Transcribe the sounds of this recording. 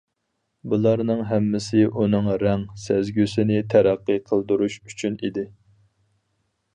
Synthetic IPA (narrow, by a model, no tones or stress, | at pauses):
bulˠɑɾnɨŋɦɛmːɪsɪʔunɨŋɾɛŋsæzɡʲysɪnɪt̪ʰæɾæqːɨqʰəlˠd̪uɾuʃyt͡ʃʰynid̪ɪ